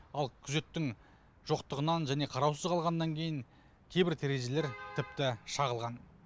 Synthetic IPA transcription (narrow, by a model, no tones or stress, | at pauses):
ɑlˠkʲʰʏze̞t̪ːɪŋ | ʒ̥o̞qt̪əʁənɑnʒæne̞qʰɑɾɑwsəzqʰɑlˠʁɑnːɑŋkʲʰe̞jɪŋ | kʲʰe̞jbɪɾt̪ʰeɾe̞ʒe̞le̞ɾt̪ʰɪp̚t̪ɪʃɑʁəlˠʁɑn